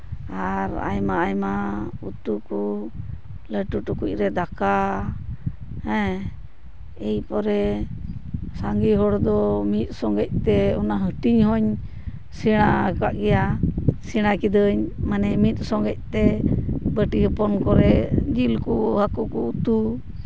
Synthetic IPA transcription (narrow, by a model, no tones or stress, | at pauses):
aɾa̰jmaːjmaut̪uku | ləʈuʈukuc̚ˀɾɛd̪aka | hɛ̃ | ɛjpɔɾɛ | saŋɡiɦɔɽd̪ɔmit̪̚ˀsɔŋɡɛc̚t̪ɛɔnaɦəʈiɲhɔɲ | siɽ̃akaʔɡɛjasiɽ̃akid̪əɲmanɛmit̪̚ˀsɔŋɡɛc̚ˀt̪ɛbəʈiɦəpɔnkɔɾɛd͡ʒilkuhakukɔut̪u